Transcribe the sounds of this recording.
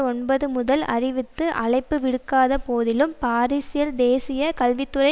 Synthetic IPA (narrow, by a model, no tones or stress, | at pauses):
ɔɳbɐðɯmʊðɐlɐ̰rɪʋɪt̪ːɯʔɐɭɐɪpːɯʋɪɽɯkːaːðɐpoːðɪlɯmpaːɾisɪjɐld̪eːsɪjɐkɐlʋɪt̪ːɯrɐɪ